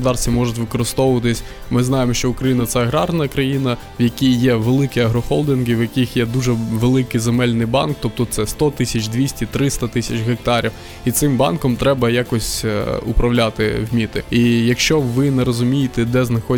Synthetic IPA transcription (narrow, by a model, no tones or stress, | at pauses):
d̪ɑrsʲt̪ʲimɔʐʊtʲʋɪkɔɾɪst̪ɔʋʊʋɐt̪ɪsʲ | mɪznɑjemɔʃt͡ʃɔʊkɾɐjinɐt̪sɛɐɦɾɑrnɐkɾɐjinɐ | wjɐkʲijjːɛʋelˠɪkiɐɦɾɔxɔlˠd̪ʲɪnɡiwjɐkʲixjɛd̪uʒɛʋelˠɪkɪjzemɛlʲnɪjbɑ̰nkt̪ɔp̚t̪ɔt̪sɛst̪ɔt̪ɪsʲɐt͡ʃʲd̪ʋʲisʲtʲit̪ɾɪst̪ɐt̪ɪsʲɐt͡ʃɦek̚t̪ɑɾʲiw | it̪sɪmbɑ̰nkɔmt̪ɾɛbɐjakɔsʲupɾɐwlʲat̪ɪwmʲit̪ɪijɐkʃt͡ʃɔʋɪnɛɾɔzʊmʲijɪt̪ɛd̪ɛznɐxɔ